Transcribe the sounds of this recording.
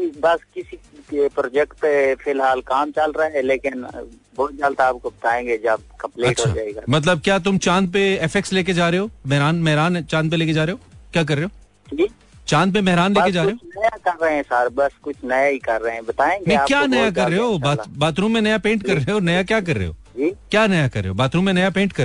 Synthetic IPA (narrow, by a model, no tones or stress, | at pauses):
bɐskɪsikepɾoːd͡ʒɛkʈefʰɪlɦaːlkaːmt͡ʃɐlɾaɛleːkɪnbɔːt̪̚d͡ʒaːlt̪aːp̚kobɐt̪aːẽːɡed͡ʒɐb̚kɐ̃mpleɐːtːʃoa̰d͡ʒaːeɡamɐt̪ləb̚kjaːt̪ʊmt͡ʃãːnd̪̚peɛfʰɛksleːk̬ed͡ʒaːɾeɦoːmɛɦɾaːnmɛɦɾaːnt͡ʃãːnd̪p̬eleːked͡ʒaːɾeɦoːkjaːk̬ɐɾːeɦoː | d͡ʒiː | t͡ʃãːnd̪̚pemɛɦɾaːnleːked͡ʒaːʊɾɦot͡ʃnɐjakɐɾːɐɦeɛ̃saɾbɐskʊt͡ʃʰnɐjaikɐɾːɐɦeɛ̃bɐt̪aːẽːɡmɛ̃aːkjaːnɐjak̬ɐɾːeɦoːbaːbaːt̪ɾuːmẽnɐjapẽːɳʈkɐɾːɐɦeɦonɐjakjaːk̬ɐɾːḛɦo̰ːd͡ʒiːkjaːnɐjakɐɾːḛɦo̰ːbaːt̪ɾuːnmẽnɐjapẽːɳʈkɐɾ